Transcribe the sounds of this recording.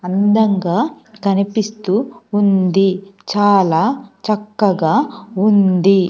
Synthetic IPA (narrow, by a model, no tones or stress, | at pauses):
ɐnd̪ɐŋɡaː | kɐnipist̪uːnd̪it͡ʃaːlaːt͡ʃɐkːɐɡaːund̪i